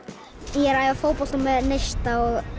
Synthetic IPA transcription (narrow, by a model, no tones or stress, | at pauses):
jɛɾajvafowpɔlt̪ɔmɛðnejst̪aɔɣ